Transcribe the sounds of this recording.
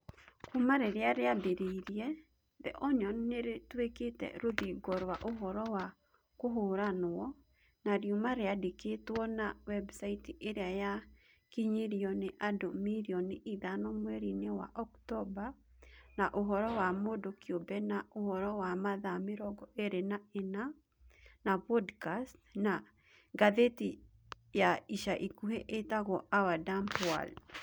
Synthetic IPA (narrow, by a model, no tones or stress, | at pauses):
kumaɾeɾeaɾeabeɾeiɾjɛ | ðɛ̰ʔɔɲɔnneɾetweketɛ̰ɾoðiɡɔɾwaʔoɦɔɾɔwa | koɦoɾanɔ | naɾjumaɾeadeketwɔnawɛbsaitiʔeɾeaja | kiɲiɾiɔneʔadomiɾiɔneʔiðanɔmwɛɾinewa̰ʔɔktɔba | naʔoɦɔɾɔwamodokiobɛnaohɔɾɔwamaðameɾɔɡɔʔeɾenaena | napɔdkastna | ɡaðeti | jaiʃaʔikuheʔetaɣɔʔawadampwa̰l